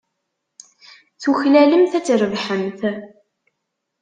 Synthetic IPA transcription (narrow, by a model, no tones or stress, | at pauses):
θuçlæləmθæt͡sːɾəvħəmθ